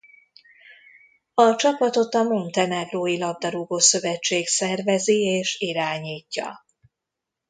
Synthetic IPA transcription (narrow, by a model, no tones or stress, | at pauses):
ɒt͡ʃɒpɒt̪o̞t̪ɒmont̪ɛnɛɡroːjilɒb̚d̪ɒɾuɡoːsø̞vɛt͡ʃːeːksɛrvɛzieːʃiɾaːɲiːcːɒ̰